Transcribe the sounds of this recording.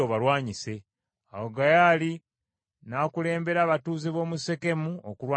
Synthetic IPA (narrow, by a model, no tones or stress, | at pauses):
oβalwaːɲise̞ | awoɡajaːli | naːkule̞ːmbe̞ɾaːβatuːzeβo̞ːmuse̞ke̞muokulwaː